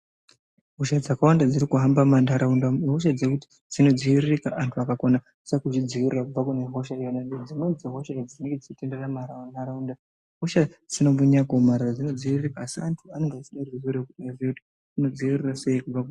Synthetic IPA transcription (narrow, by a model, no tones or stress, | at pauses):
ɦo̞ʃad͡zakawandad͡ziɾikuɦambamandaɾaundaɦo̞ʃ̬ad͡zekuti̥ | d͡zino̞d͡ziʋiririkaʔantʰuakakona | sakut͡ʃid͡ziʋirirakub͡vakuneɦo̞ʃajonanded͡zinonziɦo̞ʃad͡zine̞ŋɡed͡zit͡ʃite̞nderamaɾaandaɾaunda | ɦo̞ʃad͡zinomuɲakomaɾad͡zino̞d͡ziʋirirekaːsiantʰuane̞ŋɡeat͡ʃiɗarrizeɾekuɗazkuti̥ | uno̞d͡ziʋirirase̞jikub͡vaku